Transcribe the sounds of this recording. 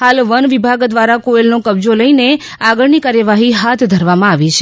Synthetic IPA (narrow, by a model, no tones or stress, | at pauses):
halʋənʋibʱaɡd̪ʋaɾakoelnokəbd͡ʒoləine | aɡəɭnikaɾjəʋaɦiɦat̪ʰd̪ʱəɾʋamãaʋit͡ʃʰe